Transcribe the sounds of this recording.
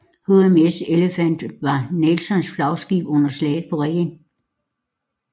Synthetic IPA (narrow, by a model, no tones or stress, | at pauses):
hoemeseləfæn̰d̥ʋɑ̈nelsɒ̽nsflɑ̈ʊsɡ̥ḭːb̥ɔ̽n̰ɐslɛ̰ːð̩ˠpʰɒ̽ʁɛɡ̥ən